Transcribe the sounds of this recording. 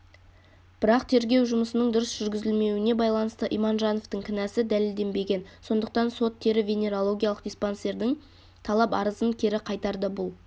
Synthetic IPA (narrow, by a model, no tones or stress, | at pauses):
b̥ɪɾɑqt̪ʰe̞ɾɡʲe̞wʒʊməsənəɴd̪ʊɾəsʒ̥ʏɾɡʲɪzɪlme̞wɪne̞bɑjlˠɑnəst̪əʔijmɑnʒɑno̞ft̪əɴkʲʰɪnæsɪd̪æle̞ld̪e̞mbe̞ɡʲe̞nso̞nd̪əq̚t̪ɑnso̞t̪ʰːe̞ɾɪvʲenʲe̞ɾolˠo̞ɡʲijalˠəq̚d̪ʲisponse̞ɾd̪ɪŋ | t̪ʰɑlˠɑpɑ̰ɾəzənkʲʰeɾɪqʰɑjt̪ɑɾd̪əbʊlˠ